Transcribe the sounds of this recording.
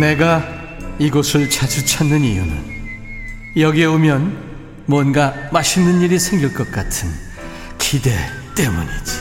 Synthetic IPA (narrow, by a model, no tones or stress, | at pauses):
ne̞ɡa | iɡosʰɯɭt͡ɕad͡ʑut͡ɕʰanːɯnijunɯ̰n | jʌɡieomjʌn | mwʌnɡamaɕʰinːɯniɾisʰe̞ŋɡiɭk͈ʌt̚k͈atʰɯn | kʰide̞t͈e̞muɲid͡ʑi̥